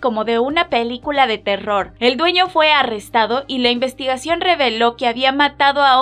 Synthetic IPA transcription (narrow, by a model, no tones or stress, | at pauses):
ko̞mo̞ðe̞unape̞likulaðe̞t̪e̞ro̞ɾe̞ld̪we̞ɲo̞fwe̞are̞st̪aðo̞ʔilaimbe̞st̪iɣasjo̞nre̞βe̞lo̞ke̞aβiamat̪aðo̞a